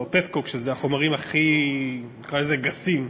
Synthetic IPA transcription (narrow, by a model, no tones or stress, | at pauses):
opet̪kokʃezeaχo̞maʁimaχi | nikʁaleze̞ɡasim